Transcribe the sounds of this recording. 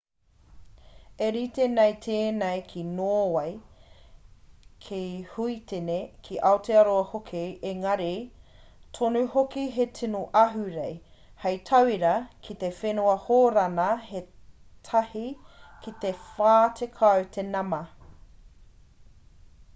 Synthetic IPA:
eɾit̪enejt̪ʰeːnejkʰinoːwɐj | kʰihuit̪enekʰiʔɐot̪eɐɾoɐhokʰieŋɐɾe | tʰonuhokiɦetʰinoʔɐɦʉɾej | hɐjt̪ʰɐwiɾɐkʰit̪efenuɐhoːɾɐnɐhe | t̪ʰɐhikit̪efaːt̪ʰekʰɐwt̪ʰenɐmɐ

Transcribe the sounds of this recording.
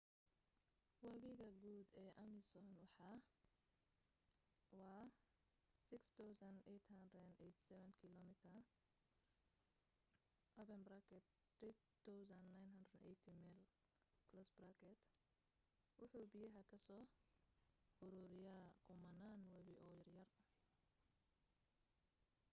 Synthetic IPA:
wɐβɪɣɐɡuːd̪ɛːʔɐmɪsɔnwɑħɑ | wɑː | sɪkst̪ʰawsɐnɛt̪hɐnd̪ɾɛnɛjt̪ʰsɛβɛnkʰɪlɔmɪt̪ʰɐ | ʔɔpɛnbɾakʰɛt̪ | t̪ɾiː | t̪ʰawsɐnːajnɦɐnd̪ɾɛɛjt̪ʰimɛl | kʰlɔsbɾakʰɛt̪ | wʊħuːbɪjɐɦɐkʰɐsɔː | hʊɾuːɾɪjaːkʰʊmɐnaːnwɛβɪʔɔːjɐrjɐr

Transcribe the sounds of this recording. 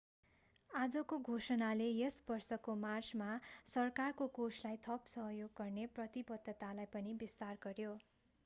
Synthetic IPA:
ad͡zʌkoɡʱosʌnalejesbʌrsʌkomart͡smasʌrkarkokosʰlajt̪ʰʌpsʌɦʌjoɡːʌrneprʌt̪ibʌd̪ʱːʌt̪alajpʌnibist̪arɡʌrjo

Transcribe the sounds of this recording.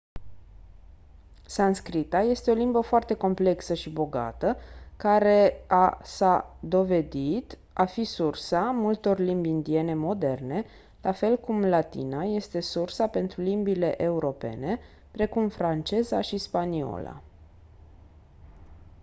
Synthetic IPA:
sanskɾit̪aje̞st̪e̞o̞limbəfoart̪e̞ko̞mple̞ksəʃibo̞ɡa̰t̪əkaɾe̞asad̪o̞ve̞d̪it̪ | afisursamult̪o̞rlimbʲind̪ie̞ne̞mo̞d̪e̞rne̞ | lafe̞lkumlat̪ḭnaje̞st̪e̞sursape̞nt̪ɾulimbile̞ʔe̞uɾo̞pe̞̰ne̞ | pɾe̞kumfɾant͡ʃe̞zaʃispanio̰la̰

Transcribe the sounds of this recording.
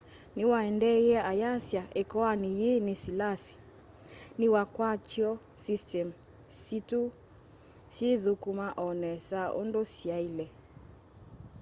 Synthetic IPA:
niwaɛndɛjɛajasjaʔɛkɔanijenisilasi̥ | niwakwat͡ʃjɔ | sistɛm | situ | seðukumaʔɔnɛsao̰ndosiailɛ

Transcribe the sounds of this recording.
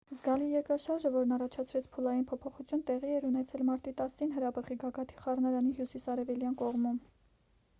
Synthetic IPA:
zɡɑlijɛɾkɾɑʃɑɾʒəvɔɾnɑrɑt͡ʃʰɑt͡sʰɾɛt͡sʰpʰulɑjinpʰɔpʰɔχut͡sʰjunt̪ɛʁiɛɾunɛt͡sʰɛlmɑɾt̪it̪ɑsinɦəɾɑbəχiɡɑɡɑt̪ʰiχɑrnɑɾɑniɦjusisɑɾɛvɛljɑnkɔʁmum

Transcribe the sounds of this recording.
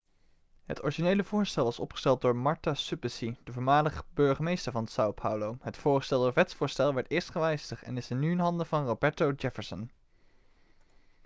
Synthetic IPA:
ɦə̰tɔ̰ɹiʒinejləv̥ʊːɹstɛlˠʋɑsɔ̰pχəstɛlˠt̚dʊːɹmɑɹtasypəsidəvʊːɹmaːləχəbøɹχəmejstəɹvɑnsawpʰhawlowɦətfʊːɹχə̥stɛlˠdʊːɹʋɛtsfʊːɹstɛlˠʋɛɹtɪːɹstχəʋɛjstəχɛ̰nɪsɪnːyɪnɦɑndəvɑnrobɛɹtowd͡ʒɛfəɹsən

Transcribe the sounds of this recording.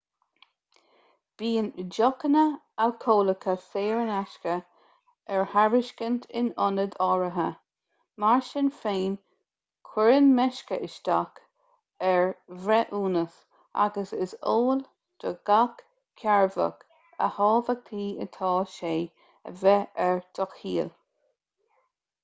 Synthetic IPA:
b̥iːnd͡ʒɔkənə | awkʰoːləkʰəseːɹənaʃkə | ɛɹhaɹɪʃkənt̪ʰɪ̰nɔnəd̪ɔːɹəɦə | maɹʃɪnfeːn | kʰw̥ɛɹənmɛʃkəʔɪʃt̪ak | ɛɹvɾɛʔuːnəs | ʔa̰ɡəsɪsoːl | d̪̥əɡ̥ak | kʰːaɹvə̰ɡ | ə̰hɑːvəɡ̚t̪ʰiːə̰t̪ʰɑːʃeː | ə̰vɛɛɹd̥̪ʰɔkhiːl

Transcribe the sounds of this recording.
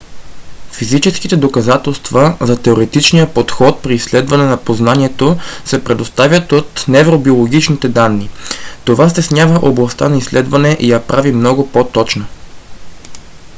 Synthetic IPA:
fizit͡ʃɛskit̪ɛd̪okɐzat̪ɛlˠst̪vɐzɐt̪ɛoɾɛt̪it͡ʃnijəpot̪xɔt̪̚pɾiːslɛd̪vɐnɛnɐpoznaniɛt̪osɛpɾɛd̪ost̪avʲjət̪ot̪nɛvɾobiolˠoɡ̟ʲit͡ʃnit̪ɛd̪anːit̪ovast̪ɛsnʲavəʔoblˠɐst̪anɐislɛd̪vɐnɛʔijɐpɾʔavimnɔɡopot̪ɔt͡ʃno

